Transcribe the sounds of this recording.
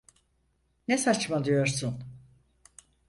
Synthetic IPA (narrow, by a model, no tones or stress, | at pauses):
nesat͡ʃmad̪ijo̞ɾsun